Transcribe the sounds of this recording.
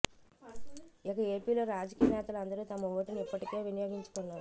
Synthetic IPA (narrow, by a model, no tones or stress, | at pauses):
ikɐe̞ːpiːlo̞ːɾaːd͡ʒɐkiːjɐnɛːt̪ɐlɐnd̪ɐɾut̪ɐmɐuʋːɐʈinuipːɐʈike̞ːʋinɐjoːɡiɲt͡ʃu̥konːaːɾu